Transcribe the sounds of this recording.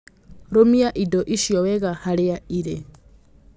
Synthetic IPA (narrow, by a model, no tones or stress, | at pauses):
ɾomiaʔidɔʔiʃiɔwɛɣahaɾɪjaiɾe